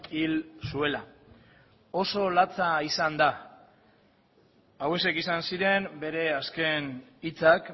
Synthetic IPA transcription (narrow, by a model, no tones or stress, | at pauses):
ilsue̞la | o̞so̞lat͡saisand̪a | awe̞se̞kisansiɾe̞mbe̞ɾe̞aske̞nit͡sak